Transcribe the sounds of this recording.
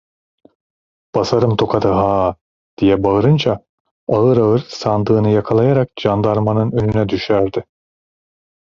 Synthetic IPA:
b̥asaɾɯmt̪ʰo̞kʰad̪ɯɦaː | d̪̥ijɛbaɯɾɯnt͡ʃʰa | aɯɾaɯɾsand̪ɯːnɯjakʰalˠajaɾak̚d͡ʒand̪aɾmanɯnønynɛd̪yʃæɾd̪ɪ

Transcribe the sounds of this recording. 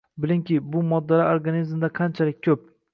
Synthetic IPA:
bɪlɪŋkʲɪbʊmɒd̪ːalaoɾɡanizmd̪aqʰɑnt͡ʃʰalɪk̚ʲʰːɵp̚

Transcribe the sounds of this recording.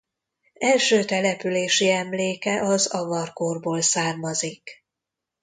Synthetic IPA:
ɛlʃøːt̪ɛlɛpyleːʃiɛmleːkɛʔɒzɒvɒrkorboːlsaːrmɒzik

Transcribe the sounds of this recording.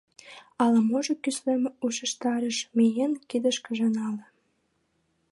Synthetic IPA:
ɑlɑmoʒekyslemuʃəʃt̪ɑɾəʃmejenkid̪əʃkə̆ʒenɑlə

